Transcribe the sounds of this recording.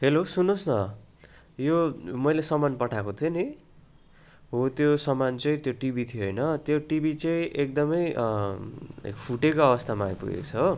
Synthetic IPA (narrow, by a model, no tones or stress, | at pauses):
ɦelosunosnʌ | jomʌjlesʌmanpʌʈʰakot̪ʰjoni | ɦot̪josʌmant͡sʌj̃t̪joʈibit̪ʰioɦʌjnʌt̪joʈibit͡sʌĩʔek̚d̪ʌmʌj | pʰuʈekoʌβʌst̪ʰamajpṵɡḛkot͡sʰʌɦo